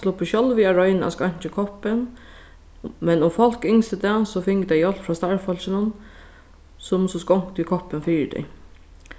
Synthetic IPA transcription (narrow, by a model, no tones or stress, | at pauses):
slʊpəʃɔlʋiːɑɹɔʏna̰skɑɲ̥t͡ʃəkʰɔpən | mɛnʊmfɔl̥kɪŋst̪əd̪ɛsɔfɪŋkd̪æɪjɔlfɹɑːst̪ɑɹfɔlsənʊn | sʊmsɔskɔŋkt̪ikʰɔpənfyːd̪ɛ̰ɪ